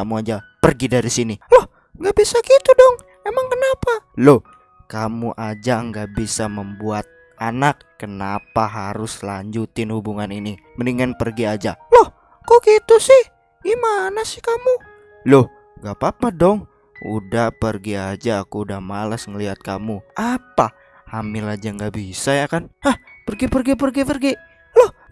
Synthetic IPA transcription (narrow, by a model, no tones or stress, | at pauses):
amuad͡ʒa | pərɡidaɾisinilɔh | ŋɡaʔbisakit̪udɔŋ | emaŋkənapaloh | kamuʔad͡ʒaŋɡaʔbisaməmbuat̪̚ | anakːənapaɦaɾʊslaɲd͡ʒut̪ɪnhubuŋanini | məniŋanpərɡiad͡ʒalɔh | kokit̪usɪh | imanasɪ̥hkamu | loh | ŋɡapapadɔŋ | ṵdahpərɡiad͡ʒaːkuːdahmalasŋəliɦat̪̚kamuapa | hamɪlad͡ʒaŋɡaʔbisajakanahpərɡipərɡip̬ərɡipərɡi | loh